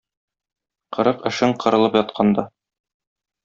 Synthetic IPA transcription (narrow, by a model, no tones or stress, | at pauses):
qɤ̆ɾɤqɘ̆ʃɘɴqʰɤ̆ɾɤ̆lˠɤpjɒt̪̚qʰɑnd̪ɑ